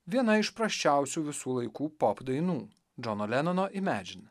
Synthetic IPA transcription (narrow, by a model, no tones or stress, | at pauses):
ʋʲiɛnɐɪʃpɾɐsʲt͡ʃʲæˑʊsʲuːʋʲɪsuːlˠɐɪkuːpɔpd̪ɐɪnuː | d͡ʒɔnoːlʲɛnɐnoʔɪmʲæːd͡ʒʲɪn